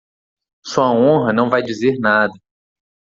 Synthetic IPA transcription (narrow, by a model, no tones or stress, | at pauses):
suɐõɦɐnɐ̃w̃vajd͡ʒizeɾnad̪ɐ